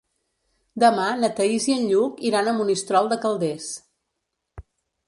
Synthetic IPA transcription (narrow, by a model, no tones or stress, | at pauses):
d̪əmanət̪əiziənʎukiɾanəmunist̪ɾɔlˠd̪əkəlˠd̪es